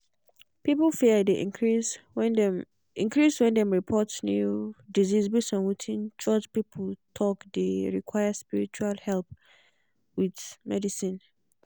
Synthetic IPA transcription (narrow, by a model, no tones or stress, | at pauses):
piplfiədeʔis | ĩŋkɹiswɛ̃ndɛ̃mɹipʰɔtsnjudizizbisɔ̃nwutʰĩnt͡ʃʰɔd͡ʒpipʰltʰɔkdeɹḭkʰwajaspiɹit͡ʃualhɛlp̚ | widmɛ̰disĩn